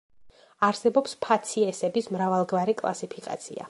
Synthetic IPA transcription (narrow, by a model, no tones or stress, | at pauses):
aɾsɛbɔpspʰat̪sʰiɛsɛbismɾavalˠɡvaɾikʼlˠa̰sipʰikʼa̰t̪sʰḭa̰